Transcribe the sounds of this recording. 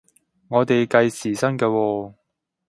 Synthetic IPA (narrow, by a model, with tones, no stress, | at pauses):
ŋɔː˨˧t̪e˨jkɐ˧jsiː˨˩sɐ˥nkɛː˧wɔː˧